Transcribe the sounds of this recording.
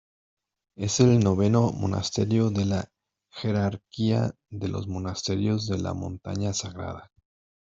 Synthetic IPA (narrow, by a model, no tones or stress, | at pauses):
e̞se̞lno̞βe̞no̞mo̰na̰st̪e̞ɾjo̞ðe̞la | xe̞ɾaɾkia̰ | ðe̞lo̞̰zmo̞nast̪e̞ɾjo̞zðe̞la̰mõ̞nt̪a̰ɲasaɣɾa̰ða